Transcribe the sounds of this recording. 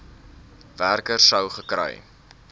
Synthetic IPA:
værkərsəwχəkrə̰j

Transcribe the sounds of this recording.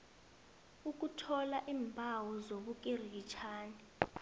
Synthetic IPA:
uk̬ʼutʰɔlaʔiːmbʱawɔzoɓuk̬ʼirit͡ʃʰaːni

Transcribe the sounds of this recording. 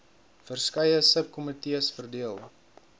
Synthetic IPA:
fərskɐjəsəp̚kɔmətiəsfərdiəlˠ

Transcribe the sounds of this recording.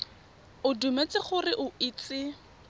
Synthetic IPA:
ʊdumet͡sɪχʊrɪʔʊiːt͡sɪ

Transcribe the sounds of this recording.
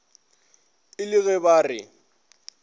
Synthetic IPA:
ɪlɪɣɛbaːrɪ̰

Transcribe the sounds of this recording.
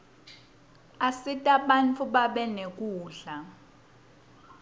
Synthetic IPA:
asitʼaɓant͡fʰʼuɓaɓɛnek̬ʼuːɮa

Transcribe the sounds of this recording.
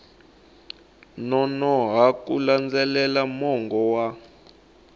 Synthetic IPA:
nɔnɔɦakṵland͡zɛlɛlamɔŋɡɔwa

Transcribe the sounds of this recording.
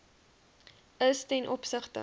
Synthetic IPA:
əstɛnʔɔpsəχtə̰

